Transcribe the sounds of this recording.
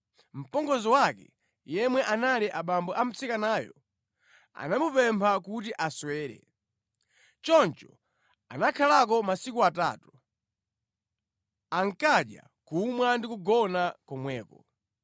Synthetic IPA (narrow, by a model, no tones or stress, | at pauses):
m̩pɔŋɡɔzɔwakɛ̰ | jɛmwɛʔanaliʔaɓambɔʔam̩t͡sʰikanaːjɔ̰ | a̰namupɛmpʰakut̬iʔaswɛːɾɛ̰ | t͡ʃɔnt͡ʃɔ | anakʰalak̬ɔmasikuata̰ːtu | aŋkaɗja̰ | kumwandikuɡɔnakɔmwɛːkɔ